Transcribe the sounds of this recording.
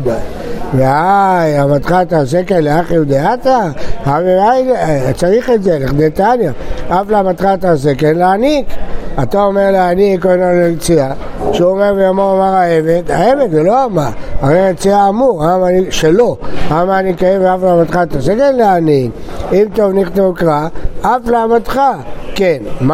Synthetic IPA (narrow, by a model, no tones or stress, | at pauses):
veajamat̪χat̪azekenleaχeud̪eat̪aaveajt͡saʁiχetzeleχd̪ejt̪anjaaflamat̪χat̪azekenleanikat̪ao̞meʁleanikonolelt͡siaʃeomeʁvejamoʁamaʁaeved̪aevedzelo̞amaʁaʁejet͡siaːmuʁamaniʃelo̞amaːnikajemveafleamat̪χat̪azekenleanik | imt̪o̞vniχt̪ovkʁaaflaamat̪χakenma